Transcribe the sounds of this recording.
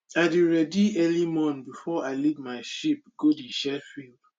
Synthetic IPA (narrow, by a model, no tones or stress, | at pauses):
aɪdiɹɛdiɛlimɔ̃nθbifɔaɪlivmaɪʃip̚ɡ̥odiʃɛfild̥